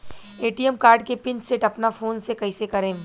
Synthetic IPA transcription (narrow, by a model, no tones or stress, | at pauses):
eːʈiɛmkaːɾɖkepɪ̃nt͡ʃseʈɐpnafoːnsekɐisekɐɾẽː